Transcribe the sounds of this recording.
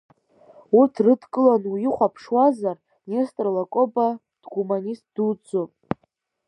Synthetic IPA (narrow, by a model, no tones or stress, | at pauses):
utʰrɨdkʼɨlanujɪχʷapʰʂwazar | nʲestʼrlakʼoba | d̥ɡumanʲist̚ʼd̥ud͡zopʼ